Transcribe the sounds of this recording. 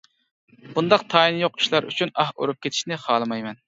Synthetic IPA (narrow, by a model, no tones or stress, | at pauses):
b̥und̪ɑqt̪ʰɑːinɨjoqi̥ʃlˠɑɾʔy̰t͡ʃʰynɑho̰ɾup̚kʲʰet̪ʰiʃnɪχɑːlˠɨmɑjmɛn